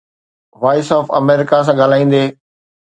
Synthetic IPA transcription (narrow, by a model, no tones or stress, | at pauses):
ʋaːɪsɔːfɐ̰meːɾɪkas̬ãɠaːl̤aːĩːn̆d̪eː